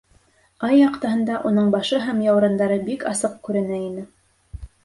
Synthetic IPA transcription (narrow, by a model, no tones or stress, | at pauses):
ɑjːɑqt̪ɑɦɤ̆nd̪ɑʔunɤɴbɑʃɤɦæmjɑwɾɑ̆nd̪ɑɾɤbikɑsɤq̚kʉɾɘ̆næinɘ